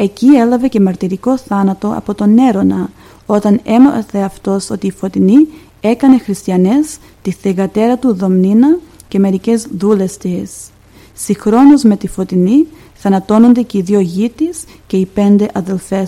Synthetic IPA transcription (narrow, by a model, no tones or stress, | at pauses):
e̞cie̞lɐve̞ce̞mɐɾt̪iɾiko̞θɐnɐt̪o̞ɐ̰po̞t̪o̞ne̞ɾo̞nɐ | o̞t̪ɐne̞mɐθe̞ɐft̪o̞so̞t̪iːfo̞t̪ini | e̞kɐne̞xɾist̪iɐne̞s | t̪iθeɣɐt̪e̞ɾɐt̪uðo̞mninɐ | ce̞me̞ɾice̞zðule̞st̪is | sixɾo̞nuzme̞t̪ifo̞t̪ini | θɐnɐt̪o̞no̞nd̪e̞ce̞iðio̞ʝit̪is | ce̞ipe̞nd̪e̞ʔɐðe̞lfe̞